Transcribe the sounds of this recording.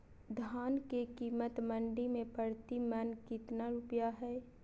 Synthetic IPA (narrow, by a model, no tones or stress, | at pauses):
d̪ʱaːnkekiːmət̪mə̃ɳɖimẽpəɽt̪imənkɪt̪naɾupjaɦɛː